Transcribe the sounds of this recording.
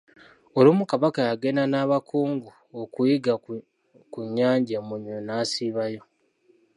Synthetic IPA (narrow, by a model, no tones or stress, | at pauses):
olumukaβakajaɡe̞nanaːβakʰuːŋɡu | okujiɡa | kuɲːaːɲɟemuɲwenaːsiβajo̞